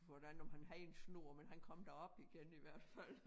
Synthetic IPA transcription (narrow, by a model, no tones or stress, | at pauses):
ʋɒd̥ænɒmhænɦæð̩ˠensno̝ɐ̰menɦænkʰɒ̽m̰d̥æɒ̽b̥iɡ̥eniʋæɐ̰d̥fæl̰